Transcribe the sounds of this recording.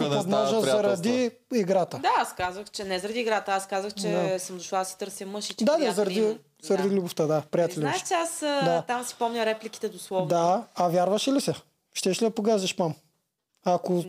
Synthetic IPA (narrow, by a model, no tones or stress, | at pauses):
od̪mɔʒəzɐɾɐd̪i | iɡɾat̪əd̪aaskazəxt͡ʃɛnɛzɐɾɐd̪iːɡɾat̪əaskazəxt͡ʃɛd̪asəmd̪ʊʃlˠad̪ɐsɛ̥t̪ɤɾsjəmɤʃit͡ʃd̪ad̪azɐɾɐd̪i | zɐɾɐd̪ilʲuboft̪əd̪apɾijat̪ɛlnaʃt͡ʃɛasd̪at̪amsi̥pɔmnʲəɾɛplʲikʲi̥t̪ɛd̪oslˠɔvd̪aɐvʲjaɾvɐʃɛlisɛ | ʃt̪ɛʃlid̪ɐpoɡazɛʃpam | ɐko